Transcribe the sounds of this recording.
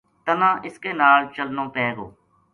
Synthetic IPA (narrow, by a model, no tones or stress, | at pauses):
t̪ənãːʔɪskeːnaːlt͡ʃəlnõːpɛːɡo̰ː